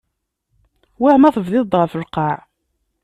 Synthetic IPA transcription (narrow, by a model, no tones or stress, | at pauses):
wæhmæθəvðɪðt̪ʁəfəlqɑʕ